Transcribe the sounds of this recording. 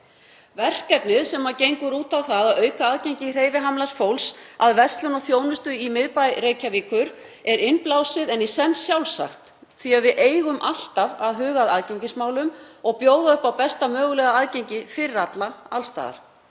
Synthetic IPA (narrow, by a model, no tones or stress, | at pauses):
vɛr̥kɛpnɪðsɛmaɾcejŋkʏɾuːt̪awθaðaðœːɥkaaðcejɲcɪr̥eːjvɪɦamlasfowlsaðvɛrst̪lʏnɔɣθjoːwnʏst̪ʏimɪðpajreːjcaviːkʏɾ | ɛɾɪnplawsɪðɛnisɛnːsjawlsa̰xt̪ | θiaðvɪðʔeːjɣʏmʔal̥t̪avaðɦʏːɣaðaðcejɲcɪsmaːwlʏmɔɣpjoːwðaʏhpawpɛst̪amœːɣʏlɛɣaaðcejɲcɪfɪɾɪɾat̪laalst̪a̰ːða̰ɾ̥